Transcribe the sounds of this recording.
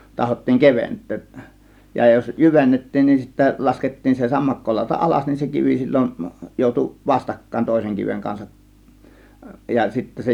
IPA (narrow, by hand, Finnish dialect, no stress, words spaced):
tɑhotːiːŋ keʋentˑøːʔ jɑ jos jyʋenːetːiːn nin sitːæ lɑsketːiːn se sɑmːɑkːolɑˑo̝tɑ ʔɑlɑs nin se kiʋi silʲːon joˑutu ʋɑstɑkːɑˑe̝n toˑe̝seŋ kiʋeŋ kɑnsɑʔ jɑ sitːæ se